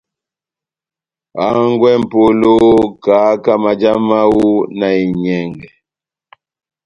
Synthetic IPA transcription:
a˨˦ŋɡwɛ˦m̩˨po˦lo˦kaː˨˦ka˦ma˨d͡ʒa˦ma˦wu˦na˨i˨ɲɛ˨ŋɡɛ˨

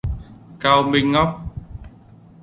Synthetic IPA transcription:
kaː˧wmi˧ŋːɔ˦˥p̚

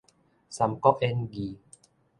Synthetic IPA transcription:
sa˨˦mkɔ˦˥ʔʔe˧nɡiː˨˦

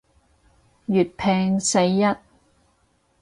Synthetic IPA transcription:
jyː˨t̚pʰɛː˧ŋse˧jːɐ˥t̚

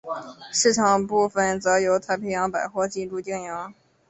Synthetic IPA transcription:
ʂɻ̩˥˩ʈ͡ʂʰɑ˨˩ŋpu˥˩fə˥˩nt͡sɤ˧˥jo˧˥ʊt̪ʰa˥ɪpʰɛ˧˥jɑ˧˥ŋpa˨˩ɪxwɔ˥˧t͡ɕi˥˧nʈ͡ʂu˥˧t̪i˥˩ŋjɑ˧˥ŋ

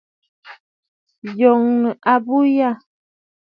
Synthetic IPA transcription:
jɔ˨ŋnə˨ʔa˨bu˦ja˦˨

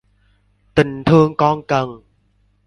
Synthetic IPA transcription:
t̪ɨ˨˩nt̪ʰɤː˧ŋkɔː˧˥˩ŋka˧˩ŋ

